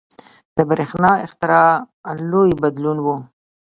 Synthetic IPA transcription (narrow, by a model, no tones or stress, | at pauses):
d̪̥əbɾexnɑɪxt̪ɪɾɑ | lojbad̪lunwu